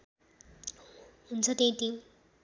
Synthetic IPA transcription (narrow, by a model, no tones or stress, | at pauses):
ɦunt͡sʰʌt̪eĩt̪ĩ